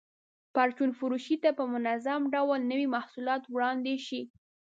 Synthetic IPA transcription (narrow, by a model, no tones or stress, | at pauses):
paɾt͡ʃunfʊɾuʃit̪apəmʊnazamɖawlnəwimahsulɑt̪wɽɑnd̪eʃi